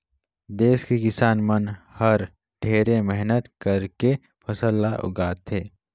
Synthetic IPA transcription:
d̪eːskikɪsaːnmənhɐɾ | ɖʱeːɾemɛɦnət̪kɐɾke | pʰɐsəlːaʔʊ̰ɡaːt̪ɦeː

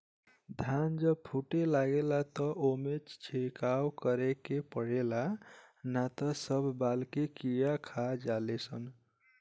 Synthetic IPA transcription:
d̪ʱand͡ʒəb̚pʰuʈelaɡelat̪əʔomet͡ʃt͡ʃʰekawkəɾekepəɽelanat̪əsəbʱbalkekijakʰad͡ʒalesʰən

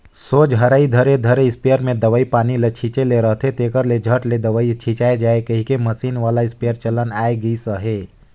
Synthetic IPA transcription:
ssoːd͡ʒɦəɾaːid̪ʱəɾed̪ʱəɾeɪspejəɾmẽd̪əʋəipaːnilet͡ʃʰit͡ʃeleɾəɦt̪ʰet̪ekəɾled͡ʒʱəʈled̪əʋəit͡ʃʰit͡ʃaːed͡ʒaːekəɦikeməsiːnʋaːlaɪspejəɾt͡ʃələnaːeɡəisəɦeː

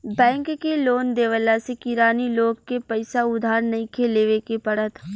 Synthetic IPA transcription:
bɛ̃ːŋkːeloːnd̪eːʋəlasekɪɾaːniloːɡkepɐɪsaʊd̪ʱaːɾnɐɦĩkʰeːleʋekepɐɽət̪ʰ

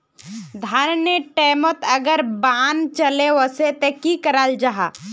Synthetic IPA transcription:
d̪ʱaɾnəʈeːmət̪ɐɡəɾbaːnt͡ʃəleʋəset̪ekikəɾald͡ʒaɦaː

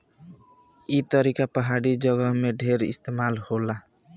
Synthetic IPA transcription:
it̪əɾikapəɦaɽid͡ʒəɡəɦmeɖʱeɾɪ̰st̪emalhola

